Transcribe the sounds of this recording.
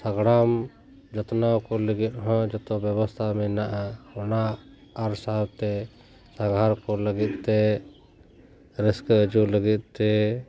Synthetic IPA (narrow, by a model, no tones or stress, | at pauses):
səɡɽam | d͡ʒɔt̪nawkɔləɡit̪̚ɦɔ̃d͡ʒɔt̪ɔbjəbɔst̪ʰamɛnaʔaɔnaː | ɾsaɦbt̪ɛ | saɡʱaɾkɔləɡit̪̚t̪ɛ | ɾɪskəd͡ʒuləɡit̪̚t̪ɛ